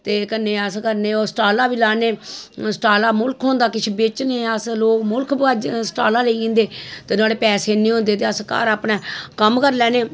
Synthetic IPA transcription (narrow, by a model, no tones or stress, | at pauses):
t̪eːkənːeːəskəɾneːoːsʈaːlaːʋiːlaːneːsəʈaːlaːmʊlkʰɦõːnd̪aːkɪt͡ʃʰbet͡ʃneːəsloːkmʊlkʰbaːd͡ʒsʈaːlaːleĩːnd̪eːt̪eːnaːleːpɛːseːnĩːɦõːnd̪eːt̪eːəska̰ːɾaːpnɛ̃ːkəmkəɾlɛːneː